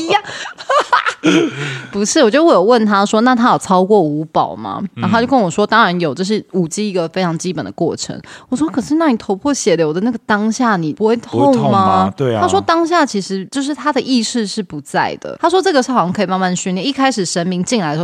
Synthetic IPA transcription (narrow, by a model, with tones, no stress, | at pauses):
pu˧˥ʂɻ̩˥˩wɔ˨˩t͡ɕjo˥˧ʊwo˥˩jo˨˩wə˥˩nt̪ʰa˥ʂwɔ˥na˥˩t̪ʰa˥jo˨˩t͡sʰɑ˥ʊkwɔ˥˩u˧˥pɑ˨˩˦ʊma̰˦n˨˥o˥˧t͡ɕo˥˩kə˥nwɔ˨˩ʂwɔ˥t̪ɑ˥ŋɻa˧˦njo˨˩ʊt͡ɕo˥˧ʂ̬ɻ̩˥˩u˨˩t͡ɕi˥i˧˥ɡə˨fe˥ɪʈ͡ʂʰɑ˧˥ŋt͡ɕi˥pə˨˩nd̪ə̰˩kwɔ̰˥˩ʈ͡ʂʰə̰˧˥ŋwwɔ˨˩ʂwɔ˥kʰɤ˨˩ʂɻ̩˥˧na˥˩ni˨˩t̪ʰo˧˥ʊpʰwɔ˥˩ɕjɛ˨˩ljo˧˥ʊd̪ə˨˦na˥˩ɡə˩t̪ɑ˥ŋɕja˥˩ni˨˩pu˧˥xwe˥˧ɪt̪ʰo˥˨ŋma˦e˧a˥ʂwɔ˥t̪ɑ˥ŋɕja˥˩t͡ɕʰi˧˥ʂɻ̩˧˥t͡ɕjo˥˧ʊʂɻ̩˥˩t̪ʰa˥d̪ə˨ʔi˥˧ʂɻ̩˥˧ʂɻ̩˥˩pu˧˥t͡sa˥˩ɪd̪ə̰˩t̪ʰa˥ʂ̬wɔ˥ʈ͡ʂɤ˥˩ɡə˩ʂ̩˥˩˨ɕjɑ˥ŋkʰi˨˩ma˥˧ma˥˩n˩ɕy˥˧nljɛ˥˧ni˥˩kʰa˥ɪʂɻ̩˨˩ʂə˧˥nmi˧˥ŋt͡ɕi˥˩nla˧˥d̪ə˩˥